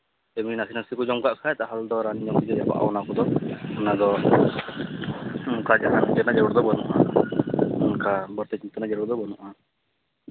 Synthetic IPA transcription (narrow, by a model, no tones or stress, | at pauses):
ɛbininasinasikud͡ʒɔmɡaʔkʰaɛt̪aɦald̪ɔɾanid͡ʒɔmkid͡ʒɛja̰ba̰ʔa̰wɔnakɔd̪ɔɔnad̪ɔ | mukad͡ʒaɦand͡ʒɛnad͡ʒɛɾɽd̪ɔbɔnṵʔa | unkabəɾt̪ɛt͡ʃimt̪anad͡ʒɛɾɔɾd̪ɔbɔnuʔa